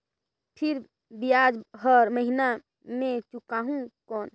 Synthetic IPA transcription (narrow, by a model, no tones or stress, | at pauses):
pʰiɾ | bijad͡ʒɦəɾməɦina | mẽt͡ʃukaɦũkɔːn